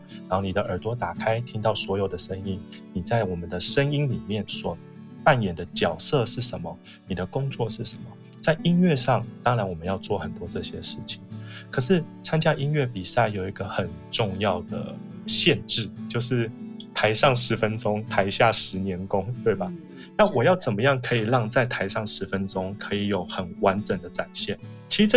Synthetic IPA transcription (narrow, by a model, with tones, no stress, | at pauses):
na˧˦o˥˩ni˨d̪ə˦ʔə˞˨˩t̪wɔ˧˥t̪a˨˩kʰa˥ɪt̪ʰi˥ŋt̪ɑ˥˩ʊswɔ˧˥jo˨˩ʊd̪ə˩˦ʂə˦˥ŋi˦˥nni˨˩t͡sa˥˩ɪwɔ˨˩mə˨˦nd̪ə˨ʂə˦ŋi˥nli˨˩mjɛ˥˩nswɔ˨˩ | pa˥˩njɛ˨˩nd̪ə˦t͡ɕjɑ˨˩ʊsɤ˥˧ʂɻ̩˥˩ʂə˧˦nmə˨ | ni˨˩d̪ə˦kʊ˥ŋt͡swɔ˥˧ʂɻ̩˥˩ʂə˧˦nmə˨ | t͡sa˥˩ɪʔi˦˥nɥɛ˥˧ʂɑ˥˨ŋt̪ɑ˥ŋɻa˧˦nwɔ˨˩mə˨˦njɑ˥˧ʊt͡swɔ˥˩xə˨˩nt̪wɔ˥ʈ͡ʂɤ˥˩ɕjɛ˥ʂɻ̩˥˩t͡ɕʰi˨˩ŋkʰɤ˨˩ʂɻ̩˥˩t͡sʰa˥nt͡ɕja˥ʔi˥nɥɛ˥˩pi˨˩sa˥˩ɪjo˨˩ʊi˧˥ɡə˧xə˨˩nʈ͡ʂʊ˥˧ŋjɑ˥˩ʊd̪ə̰˩ | ɕjɛ˥˧nʈ͡ʂɻ̩˥˩t͡ɕjo˥˧ʊʂɻ̩˥˩t̪ʰa˧˥ɪʂɑ˥˩ŋʂɻ̩˧˥fə˦˥nʈ͡ʂʊ˦ŋt̪ʰa˧˥ɪɕja˥˩ʂɻ̩˧˥njɛ˧˥nkʊ˦˥ŋt̪we˥˩ɪba˩ | na˥˨wɔ˨˩jɑ˥˩ʊt͡sə˨˩nmə˦jɑ˥˩ŋkʰɤ˧˥i˨˩lɑ˥˧ŋt͡sa˥˩ɪt̪ʰa˧ɪʂɑ˥˩ŋʂɻ̩˧˥fə˦nʈ͡ʂʊ˥ŋkʰɤ˧˥i˨˩jo˨˩ʊxə˨˩nwa˧˥nʈ͡ʂə˨˩ŋd̪ə˦ʈ͡ʂa˨˩nɕjɛ˥˩nt͡ɕʰi˧˥˧